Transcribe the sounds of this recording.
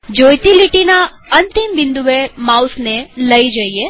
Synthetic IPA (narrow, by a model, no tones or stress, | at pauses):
d͡ʒojt̪iliʈina | ənt̪imbɪnd̪uʋemawsneləid͡ʒəie